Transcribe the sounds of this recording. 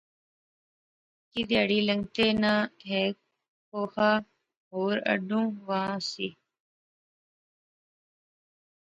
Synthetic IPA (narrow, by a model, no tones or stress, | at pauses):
kid̪jaːɽiːləŋɡt̪eːnãːɦɛːk̚ | koːhaː | ɦoːɾə̰ɖũːʋãːsiː